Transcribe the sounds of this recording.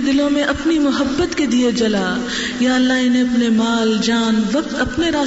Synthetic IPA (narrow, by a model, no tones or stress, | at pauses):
d̪ɪlõmẽʔɐpnimʊɦəbːət̪ked̪ied͡ʒɐlaː | jaːɐlːaɦɪnẽɐpnemaːld͡ʒaːnʋɐk̚t̪ɐpneɾaː